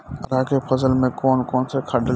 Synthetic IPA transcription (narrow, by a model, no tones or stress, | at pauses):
ɾaːkepʰɐzəlmẽkoːnkoːnsekʰɐɖə